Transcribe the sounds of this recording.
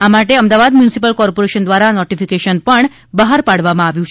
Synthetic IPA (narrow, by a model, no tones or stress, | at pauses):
amaʈeəmd̪aʋad̪mjunisipəlkɔɾpoɾeʃənd̪ʋaɾanɔʈifikeʃənpəɳ | bəɦaɾpaɽʋamãaʋjũt͡ʃʰ